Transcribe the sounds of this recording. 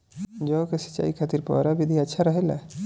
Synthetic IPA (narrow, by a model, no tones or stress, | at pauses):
d͡ʒɔʊkesə̥tːt͡ʃa̰ːikʰat̪iɾpɔ̰ɾabʱid̪ʱiətːʃʰaɾəɦelɛ̰